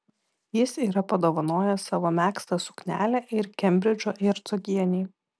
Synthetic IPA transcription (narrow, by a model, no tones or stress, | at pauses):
jɪsiːɾɐpɐd̪oːʋɐnoːjɛsɑːʋoːmʲæːkst̪ɐsʊ̥knʲæ̰ːlʲɛʔɪɾkʲɛmʲbʲɾʲɪd͡ʒʲoːʔɪɾt̪sɔɡʲiɛnʲiː